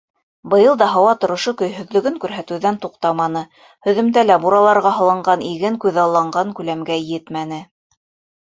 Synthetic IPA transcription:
bɤ̆jɤlˠd̪ɑɦɑwɑt̪ŏɾŏʃokɵ̆jɦɵ̆ðlɵ̆ɡɵŋkʉɾɦæt̪ɘ̆ðænt̪uqt̪ɑmɑnɤ | hɵ̆ðɵ̆mt̪ælæbuɾɑlˠɑɾʁɑɦɤ̆lˠɤ̆ɴɢɑniɡɘŋkʉðɑlˠːɑɴɢɑŋkʉlæmɡæjɘt̪mænɘ

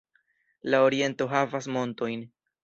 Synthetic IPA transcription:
lao̞ɾie̞nto̞ɦavasmo̞nto̞jn

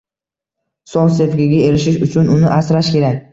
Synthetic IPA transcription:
sɒnse̞fɡʲɪɡʲae̞ɾɪʃɪʃʊt͡ʃʰʊnʊnɪʔasɾaʃkʲe̞ɾakʲ

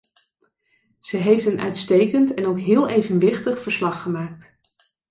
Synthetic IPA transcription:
z̥əɦejftənʔœ̰ɥtstejkəntɛnowkɦɪːlˠejvənʋɪχtəχfəɹslɑχːəmaːk̚t

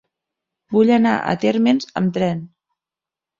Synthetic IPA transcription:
buʎəna̰ʔə̰t̪eɾmenzə̰mt̪ɾɛn

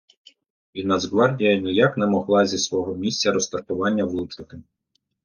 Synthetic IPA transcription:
inɐzɦʋɑrdʲijɐnɪjaknɛmɔɦlˠɑzʲisʋɔɦɔmʲisʲt͡sʲɐɾɔst̪ɐrt̪ʊʋɑnʲːɐwlˠut͡ʃɐt̪ɪ

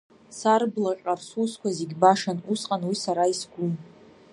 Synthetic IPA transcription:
sarblaqʲʼarsuskʷazeɡʲbaʂanusqʼanwisaɾaisɡʷum

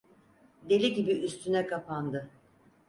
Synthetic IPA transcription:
d̪e̞lʲiɟibiyst̪ʰynɛkapand̪ɯ

